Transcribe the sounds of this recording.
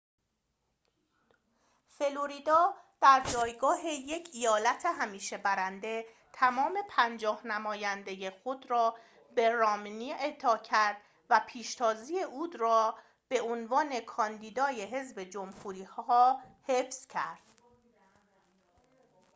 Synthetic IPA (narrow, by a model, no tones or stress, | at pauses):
fe̞loɾid̪ɒːd̪̥æɾd͡ʒɒːjɡɒːɦeje̞cʰijɒːlæt̪ʰeɦæmiːʃe̞bæɾænd̪e̞ | t̪ʰæmɒːme̞pʰænd͡ʒɒːhnæmɒːjænd̪e̞je̞xo̞d̪ɾɒː | be̞ɾɒːmniːet̪ʰɒːcʰæɾd̪̥ | væpʰiːʃt̪ʰɒːziːeʔuːd̪rɒː | b̥e̞ʔonvɒːne̞kʰɒːnd̪iːd̪ɒːje̞ɦe̞zbe̞d͡ʒomhuːɾiːhɒːhe̞fscʰæɾd̪̥